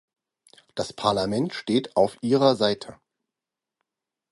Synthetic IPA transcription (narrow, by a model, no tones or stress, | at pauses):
d̥aspʰaɐlamɛntʃteːtʰaʊfʔiːʁ̞ɐzaɪtʰə